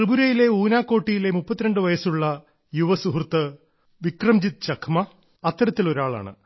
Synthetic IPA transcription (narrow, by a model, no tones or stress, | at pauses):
rɨbuɾɐjile̞uːnaːkːo̞ːʈːijile̞mupːɐt̪ːiɾɐɳɖɨʋɐjɐsuɭːɐ | juʋɐsuɦrt̪ːɨ | ʋikrɐmd͡ʑit̪̚t͡ɕɐkʰmɐ | ɐt̪ːɐɾɐt̪ːilo̞ɾaːɭa̰ːɳɨ̰